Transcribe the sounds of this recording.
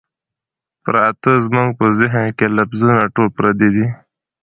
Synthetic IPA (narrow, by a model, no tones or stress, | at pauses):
pə̰ɾat̪əzmuŋɡ̚pəzɪɦnkelafzunaʈolpɾad̪ed̪i